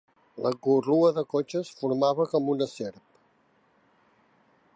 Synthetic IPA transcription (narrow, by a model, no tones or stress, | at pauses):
ləɣuruəðəkot͡ʃəsfuɾmaβəkɔmunəseɾp